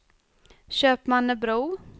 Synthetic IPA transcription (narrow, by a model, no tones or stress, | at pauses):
ɕøːpmanːəbɾuː